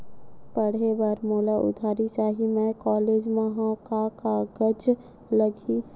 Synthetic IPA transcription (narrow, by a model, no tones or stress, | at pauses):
pəɽ̤ebaɾmoːlaʔʊ̰d̪ʱaːɾit͡ʃaːɦimɛ̃kɔːleːd͡ʒmẽɦõkakaɡəd͡ʒ | ləɡi